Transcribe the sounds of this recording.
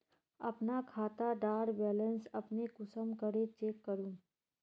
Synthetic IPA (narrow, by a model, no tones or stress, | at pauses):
ɐ̰pnakʰaːt̪aɖaːɾbɛːlə̃nsɐpnekʊsəmkəɾet͡ʃeːkːəɾũː